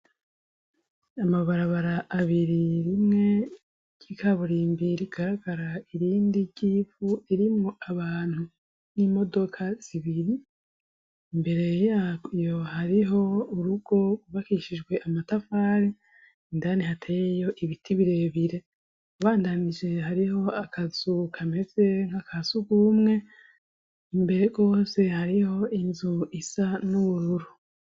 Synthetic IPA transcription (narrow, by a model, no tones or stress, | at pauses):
amaβaɾaβaɾaʔːβiɾiɾimŋe̞ | ɟ̥ikʰaβuɾimbiɾiɡ̥aɾaɡaɾaiɾiːndiɟiːvuiɾimŋo̞ʔaβaːn̥hu | niːmo̞do̞kʰaz̥iβiɾi | mbe̞ɾe̞jakijo̞haɾiɦo̞uɾuɡ̥o̞ɡuβakiʃid͡ʒɡwe̞ʔamatafaːɾi | indanihatʰejejo̞ʔiβitʰiβiɾe̞βiɾe̞ | uβaːndanid͡ʒe̞haɾiho̞akʰaz̥ukʰame̞ze̞ŋ̥hakʰazuɡumŋe̞ | imbe̞ɾeɡo̞ːse̞haɾiho̞inzuisanuβuɾuɾu